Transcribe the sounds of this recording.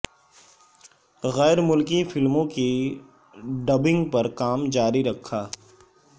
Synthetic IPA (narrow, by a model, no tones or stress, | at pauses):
ɣɛːɾmʊlkifɪlmõki | ɖɐbɪ̃ŋɡpɐɾkaːmd͡ʒaːɾiɾɐkʰːaː